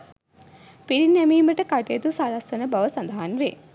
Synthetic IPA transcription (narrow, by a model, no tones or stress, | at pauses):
piɾinːæmiːməʈəkaʈeːt̪usalɐsʋɐnəbɐʋəsand̪ɐɦanʋe